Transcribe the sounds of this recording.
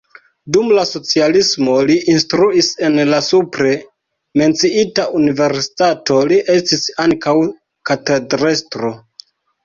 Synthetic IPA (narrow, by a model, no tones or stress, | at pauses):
dumlaso̞t͡sialismo̞liʔinstɾuise̞nlasupɾe̞ | me̞nt͡siitaunive̞ɾsi̥tato̞liʔe̞stisaŋkaw | katedɾestɾo̞